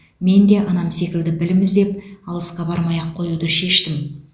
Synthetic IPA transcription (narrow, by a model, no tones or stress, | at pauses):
me̞nd̪e̞ʔɑnɑmse̞kʲɪld̪ɪbɪlɪmɪzd̪e̞p̚ɑlˠəsqɑbɑɾmɑjɑqʰːo̞jud̪əʃe̞ʃt̪ɪm